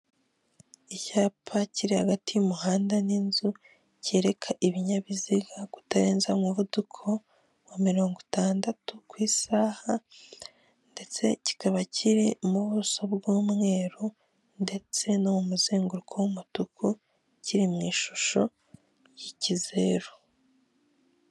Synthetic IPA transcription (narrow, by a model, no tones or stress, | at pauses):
icaːpʰaciɾihaɡatijumuhaːndaninzu | ce̞ːɾe̞kʰaʔiβiɲaβiziɡaku̥taɾe̞ːnzamŋuβudukʰo̞ | wamiɾo̞ːŋɡotaːndatukwiːsaha | nde̞t͡se̞ci̥kaβacʰiɾimuβuso̞bɡuːmŋe̞ːɾo | nde̞t͡se̞no̞mumuzeːŋɡuɾukʰowumutukʰu | ciɾimŋiːʃuʃo̞ | jicize̞ɾo